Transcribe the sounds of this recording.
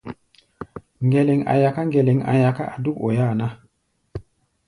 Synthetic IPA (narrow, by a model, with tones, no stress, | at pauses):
ŋɡe˨le˨ŋa̰˨ja˨ka˦ŋɡe˨le˨ŋa̰˨ja˨ka˦ʔa˨du˦ko˨jaː˦˨na˦